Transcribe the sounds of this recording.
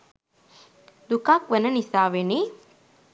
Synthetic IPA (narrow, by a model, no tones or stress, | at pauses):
d̪ukakʋənənisaːʋeni